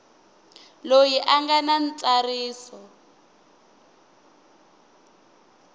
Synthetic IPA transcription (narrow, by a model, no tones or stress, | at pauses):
lojiʔaŋɡanan̩t͡sʼariːsɔ